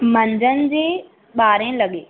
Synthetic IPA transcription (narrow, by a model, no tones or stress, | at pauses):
mɐ̃ɲd͡ʑənɪ̆d͡ʑeː | ɓaːɾẽːlɐɠeː